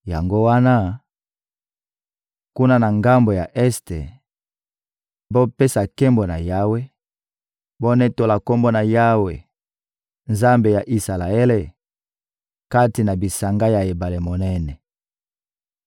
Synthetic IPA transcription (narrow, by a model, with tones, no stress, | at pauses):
ja˨ŋɡo˦wa˦na˦ | ku˦na˦na˨ŋɡa˦mbo˨ja˨ʔɛ˦stḛ˨ | bo˦pe˦sa˨ke˦mbo˨na˨ja˦we˦ | bo˦nɛ˦to˨la˨ko˦mbo˦na˨ja˦we˨ | nza˦mbe˨ja˨ʔi˨sa˨la˨e˦le˨ | ka˦ti˨na˨bi˨sa˨ŋɡa˦ja˨e˨ba˨le˨mo˨nɛ˦nɛ˨